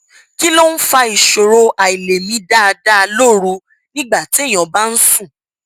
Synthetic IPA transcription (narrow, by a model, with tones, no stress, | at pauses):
ki˦lo˦n̩˦fa˧i˨ʃo˨ɾo˧ʔa˨i˨le˨mĩ˧˦da˦˧da˦˧lo˦˨ɾu˧ | nĩ˦ɡ͡ba˦˨ti˨˦˨j̃ɔ̃˨ba˦n̩˦sũ˦˨